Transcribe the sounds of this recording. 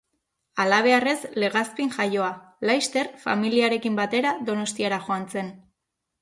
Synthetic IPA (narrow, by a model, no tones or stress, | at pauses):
alaβ̞e̞are̞sle̞ɣaspiŋʝajo̞a | lajst̪e̞ɾfa̰miliaɾe̞kimbat̪e̞ɾaðo̞no̞st̪iaɾaʝo̞ant͡se̞n